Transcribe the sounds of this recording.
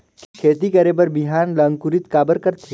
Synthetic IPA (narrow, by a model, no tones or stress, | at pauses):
kikʰeːt̪ikɐɾeːbəɾbiɦaːnləŋkuɾɪt̪kaːbəɾkəɾt̪ʰi